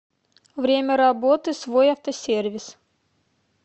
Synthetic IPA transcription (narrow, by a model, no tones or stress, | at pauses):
vɾʲemʲəɾabot̪ɨsvo̞jɐft̪əsʲervʲɪs